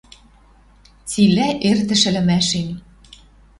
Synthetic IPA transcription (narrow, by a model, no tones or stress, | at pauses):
t͡silæʔert̪ɘ̆ʃɘ̆lɘ̆mæʃen